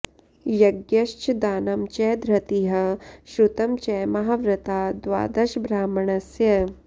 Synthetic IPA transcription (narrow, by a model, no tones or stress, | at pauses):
jɐɡjɐʃt͡ʃd̪aːnɐmt͡ʃɛːd̪ɾɐt̪iɦɐ̆ʃɾut̪ɐmt͡ʃɛːmɐɦaʋɾɐt̪aːd̪ʋa̰ːd̪ɐʃbɾaːmɐɳɐsjɐ